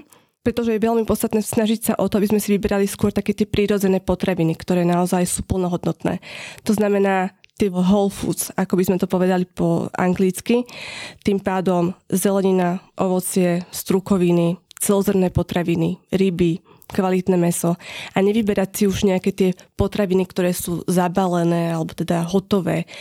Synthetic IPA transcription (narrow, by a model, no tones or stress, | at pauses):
pɾɛt̪ɔʒɛjɛʋɛlmipɔtt͡sst̪at̪nɛːsnaʒicsaʔɔt̪ɔabizmɛsiʋibɛɾaliskʊɔɾt̪akɛːt̪ɪɛpɾiɾɔd͡zɛnɛːpɔt̪ɾaʋinikt̪ɔɾɛːnaɔzajsuːpl̩ˠnɔɦɔd̪nɔt̪nɛ̰ːt̪ɔznamɛnaːt̪iɦɔlfṵːt͡sakɔbizmɛt̪ɔpɔʋɛd̪alipɔa̰ŋɡlit͡skit̪impaːd̪ɔmzɛlɛɲinaʔɔʋɔt͡sɪɛst̪ɾukɔʋinit͡sɛlɔzɛrmnɛːpɔt̪ɾaʋiniɾibi | kʋalit̪nɛːmɛsɔaɲɛʋibɛɾacsiuʒɲɛakɛːt̪ɪɛpɔt̪ɾaʋinikt̪ɔɾɛːsuːzabalɛnɛːalɛbɔt̪ɛd̪aɦɔt̪ɔʋɛː